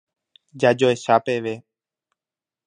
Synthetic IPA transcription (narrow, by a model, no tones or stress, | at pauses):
d͡ʒad͡ʒoeʃapeʋe̞